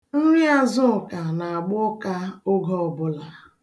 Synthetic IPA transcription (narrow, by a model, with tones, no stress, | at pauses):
n̩˦ɾi˦a˦zʊ˦˨ka˨na˨a˨ɡ͡bʊ˦ka˦ʊ˦ɡɔ˦ɔ˨bʊ˦la˨